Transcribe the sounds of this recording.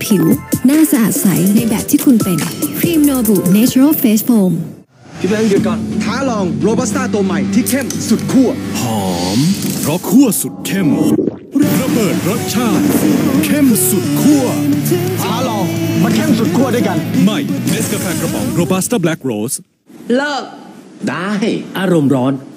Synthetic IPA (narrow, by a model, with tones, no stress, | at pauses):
pʰi˨˩˦wnaː˥˩sa˧ʔaː˨˩t̪̚sa̰˩˦jna˧jbɛː˨˩p̚t̪ʰiː˥˩kʰu˧npe˧nkʰɾiː˧mnoː˧buː˨˩t̪̚neː˦˥t͡ɕʰu˧ɾa˥˩lfeː˦˥s̚foː˧m | t̪ʰiː˦˥˩e˧nɯ˧˥˩kɯ˧n̚kɔː˨˧˩nt̪ʰaː˦˥lɔː˧ŋɾoː˧baː˦˥st̪aː˥˩t̪o˧ma˨˩jt̪ʰiː˥˩kʰe˥˩msu˨˩t̪̚kʰu˥˩ɐhʰɔː˨˦mɾɔ˦˥kʰːu˥˩ɐsu˨˩t̪̚kʰe˥˩m | ɾa˧bɤː˨˩t̪̚ɾo˦˥t̪̚t͡ɕʰaː˥˩t̪̚kʰe˥˩msu˨˩t̪̚kʰu˥˩ɐ˧˥t̪ʰaː˦˥lɔː˧ŋma˧nkʰe˥˩msu˨˩t̪̚kʰu˥˩ɐdu˥˩˨jka˧nma˧˩jme˦˥s̚ka˧pʰɛː˧nkɾa˧˩bɔ̰˨˩˦ŋɾoː˧ba˦˥st̪aː˥˩blɛ˦˥k̚ɾoː˦˥s | la˦˥ | daː˧˩ɦa˥˩jʔaː˧ɾo˧mɾɔː˦˥n